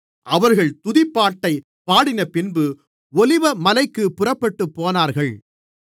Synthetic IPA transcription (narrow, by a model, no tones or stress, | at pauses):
ʔɐʋɐɾɣɐɭt̪ʊðɪpːaːʈːɐɪ | paːɽɪnɐpɪnbɯ | ɔlɪʋɐmɐlɐɪkːɯpʊrɐpːɐʈːɯpːoːnaːɾɣɐɭ